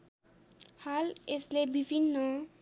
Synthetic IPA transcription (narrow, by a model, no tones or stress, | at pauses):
haleslebibʱinːʌ